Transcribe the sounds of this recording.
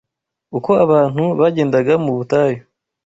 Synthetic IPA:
uko̞aβaːn̥huβaɟe̞ːndaɡamuβutaːjo

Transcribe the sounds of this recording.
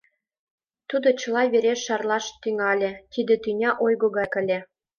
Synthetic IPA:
t̪ud̪ot͡ɕɤ̆lɑβeɾeʃːɑrlɑʃt̪yŋɑlʲĕt̪id̪ĕt̪ynʲɑʔojɣoɣɑjkə̆lʲe

